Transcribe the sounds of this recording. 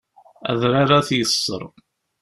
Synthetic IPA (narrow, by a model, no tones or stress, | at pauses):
æ̰ðɾaɾaθjəsˤːə̰ɾˤ